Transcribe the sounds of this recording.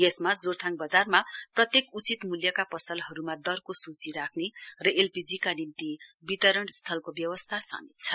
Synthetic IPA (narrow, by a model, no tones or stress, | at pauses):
esmad͡zort̪ʰaŋbʌd͡zarmaprʌt̪jekut͡sit̪muljʌkapʌsʌlɦʌɾumad̪ʌrkosut͡siɾakʰnerʌelpid͡zikanimt̪ibit̪ʌɾʌɳst̪ʰʌlkobjʌwʌst̪ʰasa̰mit̪̚t͡sʰʌ